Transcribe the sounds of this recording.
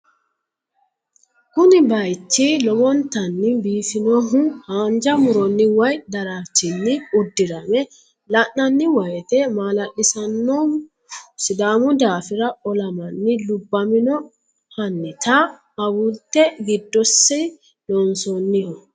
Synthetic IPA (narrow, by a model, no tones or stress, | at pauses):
kʊnɪbɐjt͡ʃːɪlɔɡɔnt̪ɐnːɪbiːfɪnɔɦʊhaːnd͡ʒɐmʊɾɔnːɪwɐjd̪ɐɾaːt͡ʃːɪnːɪʊd̪ːɪɾɐmɛ | lɐʔːɐnːɪwɐjɛt̪ɛmaːlɐɗɪsɐnːɔ | sɪd̪aːmʊd̪aːfɪɾɐɔlɐmɐnːɪlʊbːɐmɪnɔ | hɐnːɪt̪ɐː | wʊlt̪ːɛɡɪd̪ːɔsːɛ | lɔnsɔnːɪhɔ